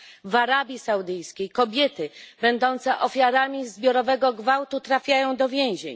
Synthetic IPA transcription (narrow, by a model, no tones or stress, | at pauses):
vaɾabʲjisawd̪ɘjskʲejkɔbʲjɛt̪ɘbɛnd̪ɔnt̪sɛʔɔfʲjaɾamʲizbʲjɔɾɔvɛɡɔɡvawt̪ut̪ɾafʲjajɔ̃w̃d̪ɔvʲjɛ̃w̃ʑḛɲ